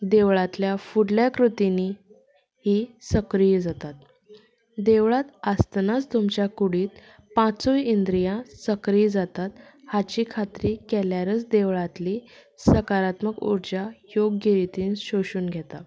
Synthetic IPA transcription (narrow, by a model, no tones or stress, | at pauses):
d̪eʋɭat̪ljafuɽljakɾut̪ini | hisəkɾijd͡zat̪at̪̚ | d̪eʋɭat̪ast̪nat͡st̪umt͡ɕjakuɽiːt̪̚ | pãt͡soind̪ɾijãsəkɾijd͡zat̪at̪hat͡ɕiːkʰat̪ɾikɛljaɾət͡sd̪eʋɭat̪lisəkaɾat̪məkṵɾd͡ʑajoɡːeɾit̪iːnɕoɕuːnɡʱɛt̪a